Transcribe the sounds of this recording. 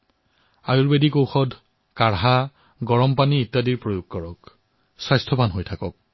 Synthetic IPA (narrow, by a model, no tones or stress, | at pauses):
ajuɹbedikowxɔdʱ | kaɹɦa | ɡɔɹɔmpaniːtːadiɹpɹojuɡ̚kɔɹɔk | swajstʰɔpanɦojtʰakɔk̚